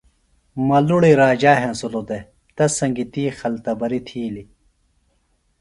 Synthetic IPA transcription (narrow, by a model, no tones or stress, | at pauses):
mɐluɽiɾaːd͡ʑaːɦẽnsulod̪e | t̪ɐsɐŋɡit̪iːxɐlt̪ɐbɐɾit̪ʰiːli